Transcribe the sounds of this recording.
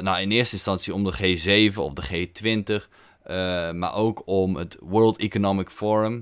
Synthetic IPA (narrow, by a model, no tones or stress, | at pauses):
nawɪnɪəstəɪnstɑnsiɔmdəχeːzeːvənɔ̰fdəχeːtʋɪntəχ | ma̰ɹʔowkʰɔmətʋɜːlˠtikonomɪkfɔɹəm